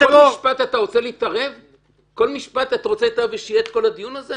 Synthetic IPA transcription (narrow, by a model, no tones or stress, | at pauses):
kolmiʃpat̪at̪aʁo̞t͡seliːt̪aʁe̞v | ko̞lmiʃpat̪at̪aʁot͡slit̪aʁeveʃijeet̪ko̞lad̪ijunaze